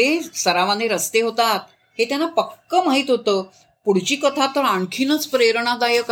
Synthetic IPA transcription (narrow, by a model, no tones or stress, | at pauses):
esəɾaʋãnd̪eɾəst̪eɦot̪at̪̚ | het̪janapəkːəmaɦiːt̪ɦot̪əː | puɽ̤t͡ɕiːkət̪ʰat̪əɾaɳkʰiːnət͡spɾeɾɳ̃ad̪ajək